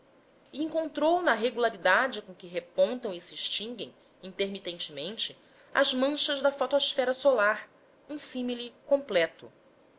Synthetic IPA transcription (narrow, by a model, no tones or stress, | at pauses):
iĩŋkõnt̪ɾownɐɦeɡulaɾid̪ad͡ʒɪkõkɪɦepõnt̪ɐ̃w̃isiʃt͡ʃĩŋɡẽj̃ | ĩnt̪eɾmit̪ẽnt͡ʃɪmẽnt͡ʃɪ | ɐ̰zmɐ̃ʃɐzd̪ɐfɔt̪osfɛɾɐsolaɾ | ũsĩmilikõmplɛt̪ʊ̰